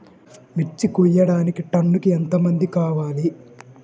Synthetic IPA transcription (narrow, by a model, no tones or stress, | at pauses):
mit͡ʃːikujːɐɽaːnikiʈɐɳːukient̪ɐmɐnd̪ikaːʋaːli